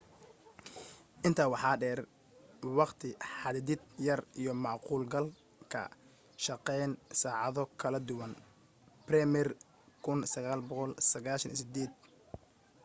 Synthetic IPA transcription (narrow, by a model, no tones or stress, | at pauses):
ʔɪnt̪ʰaːwɑħɑːɖɛːr | wɑqt̪ʰɪħɑððɪd̪jɐrijɞmɑʕquːlɡɐl | kʰɐ̰ | ʃɑqɛjnsaːʕɑðɔkʰɐlɐd̪ʊwɐn | brɛmɛr | kʰʊnsɐɣaːlbɔqɔlsɐɣaːʃɐnḭsɪd̪ɛːd̪̚